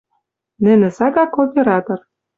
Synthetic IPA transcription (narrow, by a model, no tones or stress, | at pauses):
nɘ̆nɘ̆sɑɡɑkopʲeɾɑt̪ŏr